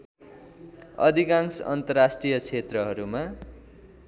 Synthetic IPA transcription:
ʌ̰d̪ʱikãŋsʌ̰nt̪ʌrasʈrijʌt͡sʰet̪rʌɦʌɾuma

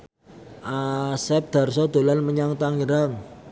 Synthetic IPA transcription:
ʔasɛp̚d̪̥a̤rsɔd̪̥o̤lanməɲaŋt̪aŋiɾaŋ

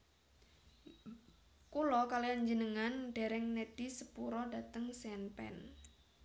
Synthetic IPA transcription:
kulɔkaliaɲd͡ʒənəŋanɖ̥e̤ɾɛŋned̥isəpuɾɔdat̪əŋsɛnpɛ̰n

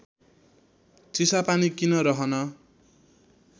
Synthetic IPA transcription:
t͡sisapanikinʌɾʌɦʌnʌ

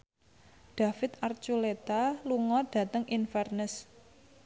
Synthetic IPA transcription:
ɖ̥a̤fɪt̪̚art͡ʃulet̪aluŋɔɖ̥a̤t̪əŋinfɛrnəs

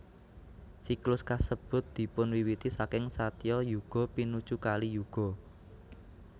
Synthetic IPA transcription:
siklʊskasəb̥ʊ̤t̪̚d̪̥i̤pʊnwiwit̪isakɪŋsat̪jɔjuɡ̥ɔ̤pinu̥t͡ʃukalijuɡ̥ɔ̤

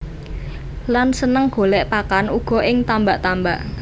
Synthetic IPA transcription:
lansənəŋɡ̥o̤lɛʔpakanuɡ̥ɔ̤ʔɪŋt̪ambaʔt̪amba̰ʔ

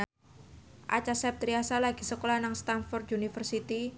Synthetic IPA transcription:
ʔa̰t͡ʃasɛp̚t̪ɾiasalaɡisəkolanaŋst̪anfɔrt̪unifərsit̪i

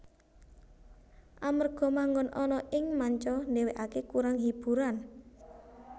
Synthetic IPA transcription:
ʔamərɡ̥ɔ̤maŋɡʊnʔɔnɔʔɪŋmaɲt͡ʃɔneweʔakekuɾaŋɦib̥ṳɾan

